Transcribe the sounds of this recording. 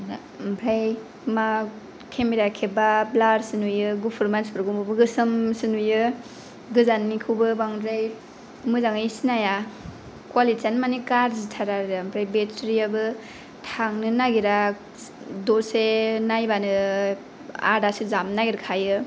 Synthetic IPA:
na | mpʰɾaj | ma | kʰemeɾakʰebablaɾsɯnujɯɡupʰɯɾmansbɾɡumubɯɡɯsɯmsɯnujɯ | ɡɯzanːikʰɯwbɯbaŋdɾaj | mɯzaŋɯsinaja | kwalit͡ʃanmanikaɾzitʰaɾaɾɾampʰɾajbetɾiabɯ | tʰaŋnɯnaɡiɾa | dosenajbanɯ | a̰ɾdasɯzamnaɡiɾakʰajɯ

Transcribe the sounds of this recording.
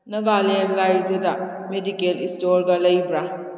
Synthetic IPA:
nɐɡaleɾlajɾzeda | medikelistoɾɡalɐjbɾa

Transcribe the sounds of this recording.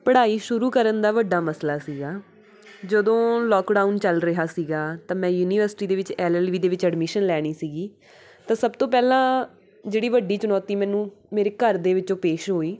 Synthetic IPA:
pəɽaːiːʃʊɾuːkəɾənd̪aːʋəɖːaːməslaːsiːɡaː | d͡ʒəd̪õːlɔːkɖaːunt͡ʃəlɾəɦaːsiːɡaːt̪ãːmɛ̃ːjuːniːʋəɾsɪʈiːd̪eːʋɪt͡ʃɛːlɛːlʋiːd̪eːʋɪt͡ʃɛɖmɪʃənlɛːɽ̃iːsiːɡiː | t̪ãːsəbt̪õːp̬ɛːlãː | d͡ʒeːɽiːʋəɖːiːt͡ʃənɔːt̪iːmɛ̃ːnũːmeːɾeːkəɾd̪eːʋɪt͡ʃõːpeːʃɦoːiː

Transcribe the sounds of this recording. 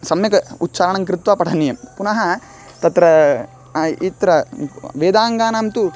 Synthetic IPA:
sɐmjɐkɐut̪ːt͡ʃaːɾɐɳɐŋk̬ɾɪt̪ʋaːpɐʈʰɐnjɐmpunɐɦɐ | t̪ɐt̪ɾɐ | it̪ɾɐʋeːd̪aːŋɡaːnaːmt̪u

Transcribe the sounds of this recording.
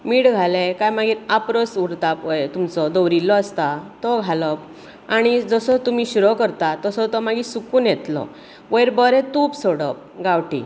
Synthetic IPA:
miːʈɡʱalekajmaɡiːt̪apɾəsuɽt̪apəjet̪umt͡sɔd̪ɔwɾilːɔəst̪at̪ɔɡʱaləp̚ | aɽ̃id͡zəsɔt̪um̤iɕuɾɔkəɾt̪at̪əsɔt̪ɔmaɡisukuːnjɛt̪lɔ̰ | ʋəjɾbəɾɛ̃t̪uːpsoɽəp̚ɡawʈḭ

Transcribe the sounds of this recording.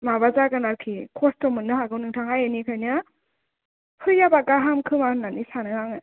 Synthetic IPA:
mabazaɡanaɾkʰikʰɔstɔmɯnːɯɦaɡɯwnɯŋtʰaŋajɯnikʰajnɯ | hɯjabaɡaɦamkʰɯmanːanisanɯŋaŋɯ

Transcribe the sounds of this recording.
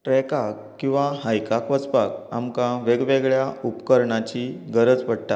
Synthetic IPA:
ʈɾɛkak | kːĩw̃ʋahajkakʋət͡spak̚amkãʋeɡʋeɡɭjaupkəɾɳat͡ɕiːɡəɾəd͡zpəɽt̪a

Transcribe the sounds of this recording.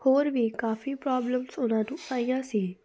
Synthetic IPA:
hoːɾʋiːkaːfiːpɾaːbləmsʊnãːnũːsaːijãːsiː

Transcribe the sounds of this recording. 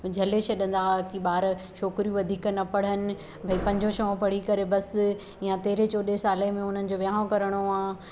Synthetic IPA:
d͡ʑʱɐleʃɐɗə̃nd̪akiɓaːɾʃoːkɾijũʋɐd̪ʱiːknɐpɐɽ̤ənɪ̆ | bʱɐipɐ̃ɲd͡ʑʱoʃɐõpɐɽ̤ikɐɾebɐs | ijãt̪eːɾet͡ɕoːɗesaːlemẽʊn̤ənɪ̆d͡ʑoːʋjaːõkɐɾəɽ̃oãː

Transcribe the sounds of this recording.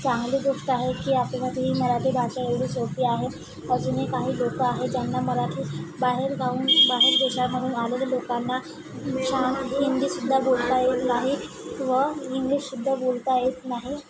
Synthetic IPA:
t͡sãŋɡliːɡ̪uʂʈ̪aɦekiːapleməd̪ʱeɦiːməɾat̪ʰiːbʱaɕaeʋɽiːsopiːaɦe | əd͡zunekaɦiːlokəaɦed͡ʑjanːaməɾat̪ʰiːbaɦeɾɡʱauːnbaɦeɾɡ̪uɕaɾməɽuːnalelelokanːa | ɕaŋiŋd̪iːsud̪ʱːabolt̪ajet̪kaɦiː | kʋəiŋɡliːɕsud̪ʱːabolt̪ajet̪naɦe

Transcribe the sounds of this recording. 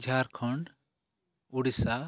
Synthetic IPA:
d͡ʒʱaɾkʰɔɳɖ | uɽisa

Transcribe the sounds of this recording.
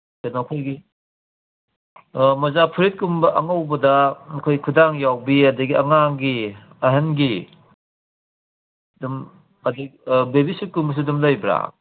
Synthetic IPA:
kɐnakʰojɡi | mɐzapʰiɾit̚kumbɐʔɐŋɐwbɐdɐɐkʰojkʰudaŋjawbiɐdɐɡiɐ̰ŋaŋɡi | ɐɦɐnɡi | dum | ɐdɐbebisit̚kumbɐs̬udumlɐjbɾa̰

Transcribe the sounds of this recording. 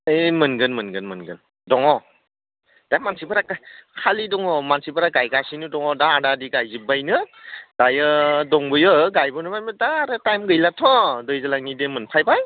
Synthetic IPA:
ɯmɯnɡɯnmɯnɡɯnmɯnɡɯ̰n | dɔŋɔ | d̥ajmansibɯɾakajkʰalidɔŋɔmansibɯɾaɡajɡasinɯdɔŋɔdaːɾadiɡajzibajnɯd̥ajɯdɔŋbɯjɯɡajbɔnɯbajmɯdaːɾatajmɡɯjlatʰɔdɯjzalaŋnidemɯnpʰajbaj

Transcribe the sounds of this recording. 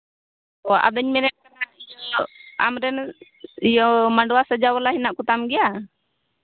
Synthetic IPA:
ɔa̰d̪əɲmɛɾɛʔ̚kanaij | a̰mɾɛn | ijɔmaɳɖɔwasəd͡ʒawalaɦinaʔkut̪amɡɛja

